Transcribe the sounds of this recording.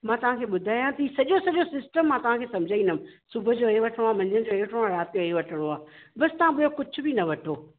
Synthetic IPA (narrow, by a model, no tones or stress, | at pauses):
mãːt̪ɐʋ̤ãkʰeːɓʊd̪ʱaːijãt̪ɐiːsɐʄosɐʄosɪsʈəmːãːt̪ɐʋ̤ãkʰeːsɐ̃md͡ʑʱaĩnd̪əmsʊbʱə̆d͡ʑoːeʋɐʈʰəɽ̃oaːmɐ̃ɲd͡ʑəñd͡ʑoːeʋɐʈʰəɽ̃oaːɾaːt̪ɪjoʋɐʈʰəɽ̃oaː | bɐsɪ̥̆t̪ɐʋãbʊjokʊd͡ʑʱʊ̆bɪnɐʋɐʈʰoː